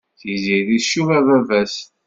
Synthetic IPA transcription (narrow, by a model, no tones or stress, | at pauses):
θiziðiʃuvævævæs